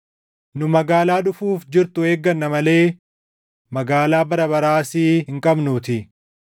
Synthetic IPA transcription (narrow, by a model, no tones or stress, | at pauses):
nʊmɐɡaːlaːᶑʊfuːfd͡ʒɪɾt̪ʊe̞ːɡːɐnːɐmɐle̞ː | mɐɡaːlaːbɐɾɐbɐɾaːsɪɦɪŋkʼɐbnuːt̪ɪ